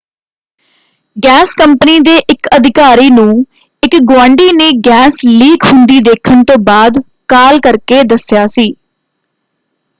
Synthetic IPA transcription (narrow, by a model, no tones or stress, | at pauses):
ɡɛːskəmpəniːd̪eːʔɪkəd̪ʱɪkaːɾiːnũː | ɪkɡwãːɳɖiːneːɡɛːsliːkʰhʊnd̪iːd̪eːkʰənt̪õːbaːd̪ | kaːlkəɾkeːd̪əsjaːsiː